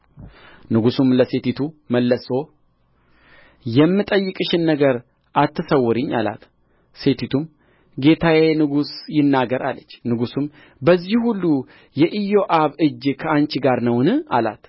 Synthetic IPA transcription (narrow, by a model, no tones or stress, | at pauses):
nɨɡusumləse̞t̪it̪ʰuməlːəsʼo̞ | jɛmːɨt̪ʼəjːɨkʼɨʃɪnːəɡəɾ | ʔat̪ʰːɨsəwːɨɾɨɲːa̰la̰t̪ | se̞t̪ʰit̪ʰum | ɡe̞t̪ʰawenɨɡusjɪnːaɡəɾa̰lət͡ʃːnɨɡusum | bəzːihulːu | jɛʔijo̞ʔaβɨd͡ʒːkʰəant͡ʃɡaɾnəwnɨa̰la̰t̪